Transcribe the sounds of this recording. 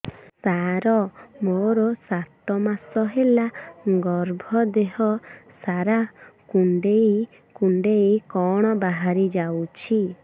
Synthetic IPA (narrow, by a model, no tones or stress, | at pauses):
saɾɔmoɾɔsat̪ɔmasɔɦelaɡɔɾbʱɔd̪eɦɔsaɾakuɳɖej | kuɳɖejkɔɽ̃ɔbaɦaɾid͡ʒawt͡ʃʰi